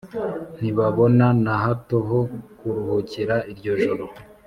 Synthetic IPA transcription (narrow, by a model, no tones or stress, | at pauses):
n̥iβaβo̞nanaɦatoɦokuɾuɦuciɾaiɾɟo̞ʒoɾo